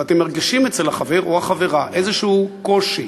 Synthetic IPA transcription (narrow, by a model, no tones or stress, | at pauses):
at̪emːeʁɡiʃimet͡selhaχave̞ʁohaχave̞ʁaʔezeʃuko̞ʃi